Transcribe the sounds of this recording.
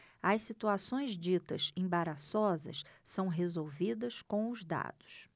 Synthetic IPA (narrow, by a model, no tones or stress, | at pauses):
ɐssit̪uasõj̃zd͡ʒit̪ɐsẽbaɾasɔzɐ̰ssɐ̃w̃ɦezowvid̪ɐskõʊzd̪a̰d̪ʊ̥s